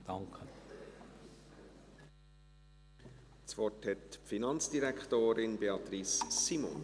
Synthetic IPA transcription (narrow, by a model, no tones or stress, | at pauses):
d̥ɑŋkʰə | t͡svɔthɛtpfinɑnt͡sd̥iɾɛkχtoːɾɪnbeɑt̪ɾisːimɔ̰n